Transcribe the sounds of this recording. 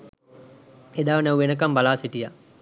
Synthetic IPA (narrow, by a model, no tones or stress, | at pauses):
ed̪aːʋnawʋenək̬ɐmbalaːsiʈija